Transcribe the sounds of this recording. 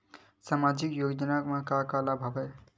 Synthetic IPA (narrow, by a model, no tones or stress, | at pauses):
samad͡ʒikjoɡd͡ʒənakmakakalabʱəbɛ